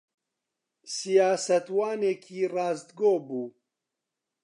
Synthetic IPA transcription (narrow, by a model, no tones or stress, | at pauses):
sijaːsɐt̪waːneːkʰiːrɑːzd̪ɡoːbuː